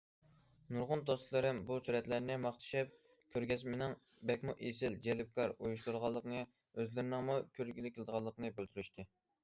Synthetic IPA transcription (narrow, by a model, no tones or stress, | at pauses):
nuɾʁʊnd̪ost̪lˠɨɾɪmbusuɾɛt̪læɾnɪmɑχt̪ʰɨ̥ʃɛp̚ | kʲʰøɾɡʲɛzmɪnɪŋ | bɛkʲmuʔesɪld͡ʒɛlɪp̚kʰɑɾujuʃ̬t̪uɾʁɑlˠːəqnɨ | øzlɪɾɪnɪŋmukʲʰøɾɡʲilɪkʲʰɪlˠɨd̪əʁɑlˠːəqnɨbølt̪yɾyʃt̪ʰɨ